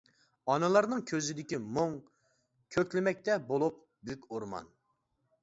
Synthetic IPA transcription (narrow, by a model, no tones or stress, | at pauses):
ɑnɨlˠɑɾnɨŋkʲʰøzɪd̪ɪkʲimoŋ | kʲʰøkʲlɪmɛk̚ʲt̪ɛbolˠup̚ | bykʲoɾmɑ̰n